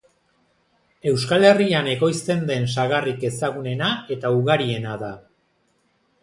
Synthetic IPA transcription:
e̞wskale̞riane̞ɣo̞jst̪e̞nd̪e̞nsaɣarike̞saɣune̞nae̞t̪auɣaɾie̞naða

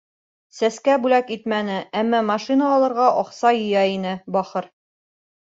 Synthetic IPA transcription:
sæskæbʉlækit̪mænɘæmːɑmɑʃinəɒlˠɤ̆ɾʁɑʔɒqsɑjɤ̆jæinɘbɒχɤɾ

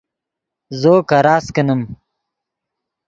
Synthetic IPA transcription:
zoːkɐɾaːskɐnəm

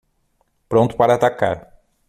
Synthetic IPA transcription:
pɾõnt̪ʊ̥paɾɐːt̪aka̰ɾ

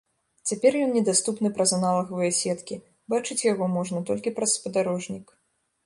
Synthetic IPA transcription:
t͡sʲapʲɛrjɔnnʲɛd̪ast̪upnɨpɾɐzanalˠɐɣɐvɨjɛsʲɛt̪kʲi | bat͡ʂɨt͡sʲjaɣɔmɔʐnɐt̪ɔlʲkʲipɾɐsːpɐd̪aɾɔʐnʲik

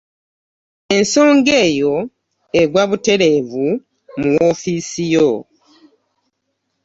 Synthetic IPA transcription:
e̞nso̞ːŋɡe̞ːjo̞ | eɡwaβute̞ɾe̞ːvu | muwo̞fiːsijo

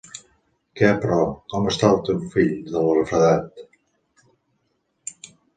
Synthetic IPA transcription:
kɛəpɾɔkɔməst̪alˠt̪ewfiʎd̪əlˠəɾəfɾəðat̪

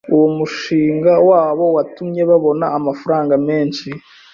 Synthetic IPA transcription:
uwomuʃiːŋɡawaːβo̞watumɲe̞βaβo̞naːmafuɾaːŋɡame̞ːnʃi

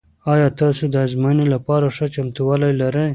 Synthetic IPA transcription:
ɑjɑt̪ɑsod̪əazmɑjənolapɑɾaʂət͡ʃamt̪uwɑlajlaɾəj

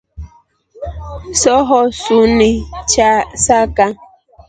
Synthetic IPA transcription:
sɔɦɔsunit͡ʃasaka

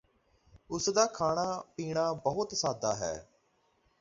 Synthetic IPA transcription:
ʊsd̪aːkʰaːɽ̃aːpiːɳaːbəɦʊt̪saːd̪aːɦɛ̰ː

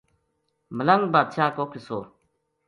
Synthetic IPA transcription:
məlɐŋɡbaːd̪ʃaːkoːkʰisoː

